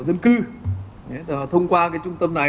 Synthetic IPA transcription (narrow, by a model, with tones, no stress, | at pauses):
zə˧nkɨ˧ | e˨˦˨t̪ʰə˧wŋ͡mkwaː˧kaː˨˦jt͡ɕʊ˧ŋ͡mt̪ə˧mna˨˩